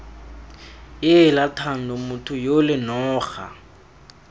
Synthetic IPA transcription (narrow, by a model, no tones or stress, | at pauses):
jɪlatʰan̩dɔmʊtʰʊjolɪnɔːχa̰